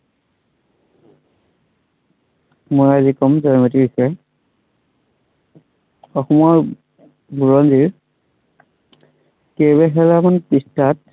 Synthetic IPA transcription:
mojazikɔmzanmatiɹisɛ | ɔxɔmɔɹ | buɹɔnziɹ | kebɛɦɛlamanpistat

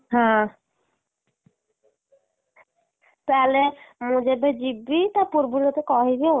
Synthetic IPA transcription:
ɦã | t̪alemud͡ʑebed͡ʑibːit̪apuɾbuɾot̪ekɔɦibi

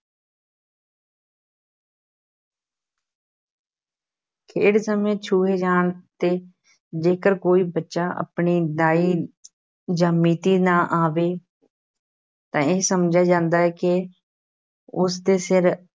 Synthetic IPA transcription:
kʰeːɽsəmẽːt͡ʃʰuːɦeːd͡ʒaːɳt̪eː | d͡ʒeːkəɾkoːiːbətːʃaːʔə̰pɳiːd̪aːiː | d͡ʒaːmiːt̪iːnãːʔaːʋeː | t̪ãːɪɦsəmd͡ʒaːd͡ʒãːnd̪aːɛːkɪ | ʊst̪eːsɪɾ

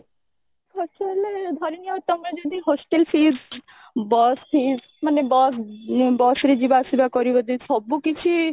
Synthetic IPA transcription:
ɦɔsʈeld̪ʱɔɾiniat̪ɔmɾad͡ʒɔd̪iɦɔsʈelfiz | bɔst̪ʰi | manebɔsbɔsɾid͡ʒibasibakɔɾibɔd̪isɔbukit͡ʃʰi

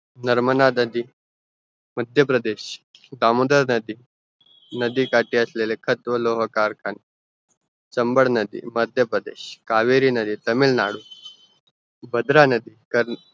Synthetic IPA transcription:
nəɾmənad̪əd̪iː | məd̪ʱjəpɾəd̪eɕd̪amud̪əɾnəd̪iː | nəd̪iːkaʈiːəslelekʰət̪ʋəloɦkaɾkʰan | t͡səmbəɽnəd̪ḭːməd̪ʱjəpɾəd̪ḛɕkaʋeɾiːnəd̪iːt̪əmiːlna̰ɽuː | bəd̪ɾanəd̪iːkəɾ

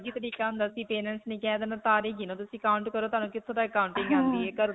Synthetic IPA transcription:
d͡ʒiːt̪əɽiːkaːɦʊ̃nd̪aːsĩːpeːnɛnsnẽːkɛːd̪enaːt̪aːɾeːɡiːnõːt̪̬ʊsĩːkaːʊ̃ɳʈkəɾoːt̪aːnũːkɪt̪ʰːõːd̪aːəkaːʊɳʈɪ̃ŋɡãnd̪iːeːkəɾ

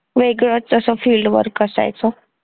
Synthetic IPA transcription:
ʋeɡɭot͡səsɔfiːlɖʋə̰ɾkəsa̰jt͡sɔ

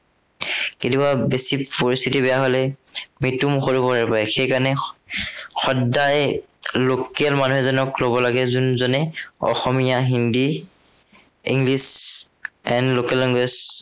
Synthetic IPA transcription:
ketibabesipoɹist̪ʰitibɛjaɦolɛmitumxoɹupɔɹaɹpajxejkanɛ | xɔdaj | lokɛlmanuɦɛzɔnɔklobɔlaɡɛzunzɔnɛɔ̰xɔmijaɦindi | ḭŋɡlis | ɛnlokɛliŋɡis

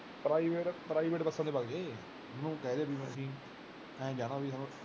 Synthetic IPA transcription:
pɾaːiʋeːʈpɾaːiːʋeːʈpəsənd̪eːpaɡeː | mənũːkɛːd̪eːbiːməʃiːn | ɛ̃ːd͡ʒaːnaːbiːsaːnũː

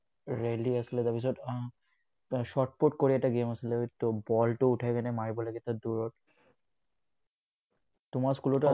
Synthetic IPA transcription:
ɹeliasiled̪apis̬ɔt | ʃɔʈ̚poʈ̚koɾiɛk̚ʈaɡemasilet̪obɔlʈouʈʰajkɛnemaɹibɔlaɡet̪ʰad̪uɾɔʈ | t̪umaskuloʈa

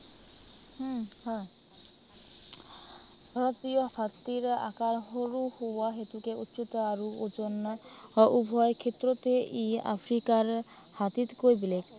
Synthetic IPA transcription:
hha | bʱaɾot̪ijokʰat̪ːiɾa̰kaɾɦoɾuhowaɦet̪ukeut̪ːʃut̪aɾuod͡ʒon | ʔubʱɔekʰet̪ːɾot̪eʔia̰fʰɾikaɾ | hat̪it̪kojbilek̪

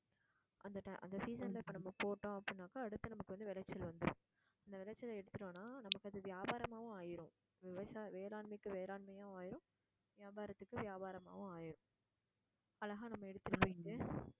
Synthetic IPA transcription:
ʔɐnd̪ɐʈɐɪʔɐ̰nd̪ɐsiːsɐnlɐɪpːɐːnɐmːɐpoːʈːõːɐpːɐɽɪnːaːkɐːɽɯt̪ːɯnɐmɐkːɯʋɐnd̪ɯʋɪlɐt͡ʃːɐlʋɐnd̪ɯɾʊ̰̃ | ɐnd̪ɐʋɪlɐt͡ʃːɪlɛɽɯt̪ːɯʈːõːnːaːnɐmɐkːɯɐðɯʋjaːbaːɾɐmaːʋʊ̃aːjɪɾʊ̃ | ʋɪʋɐsaːʋeːɾaːɳmɐɪkːɯʋeːɾaːɳmɐjaːaːjɪɾʊ̃ | ʋɪjaːbaːɾɐt̪ːɯkːɯʋɪjaːbaːɾɐma̰ːʋʊ̃aːjɪɾʊ̃ | ɐlːɐɣaːnɐmːɐɛɽɯt̪ːɯɾɯpːoːjɪʈːɯ

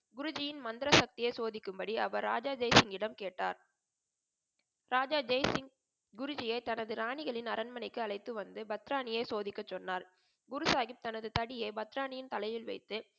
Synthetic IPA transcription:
ɡʊɾʊd͡ʒɪjɪnmɐnd̪ɪɾɐsɐk̚t̪ɪjɐɪsoːðɪkːɯmbɐɽiɐʋɐɾːa̰ːd͡ʒaːd͡ʒɐɪsɪŋɡɪɽɐmkeːʈːa̰ːɾ | ɾaːd͡ʒaːd͡ʒɐɪsɪŋ | ɡʊɾʊd͡ʒɪjɐɪt̪ɐnɐðɯɾaːɳɪɣɐɭɪnɐɾɐnmɐnɐɪkːɯɐɭɐɪt̪ːɯʋɐnd̪ɯbɐt̪ɾaːnɪjɐɪsoːðɪkːɐt͡ʃːɔnːaːɾ | ɡʊɾɯsaːɣɪp̚t̪ɐnɐðɯt̪ɐɽɪjeɪbɐt̪ɪɾaːnɪjɪnt̪ɐlɐjɪlʋɐ̰ɪt̪ːɯ

